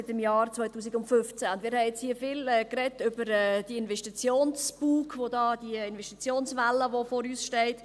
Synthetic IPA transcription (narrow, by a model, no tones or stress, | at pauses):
ɪtɪmjɑːɾt͡svɔɪtuːs̬ɪɡʊntfʏft͡sæʊndmɪːɾhɛɪɪt͡shiːəfɪːlɛːkrɛtʏbəɾɛːd̥iəɪnvɛʃtit͡sjoːnsb̥uːkvodɑːd̥iəɪnvɛʃtit͡sjoːnsʋɛlːəʋofoːɾyːsʃtɛɪt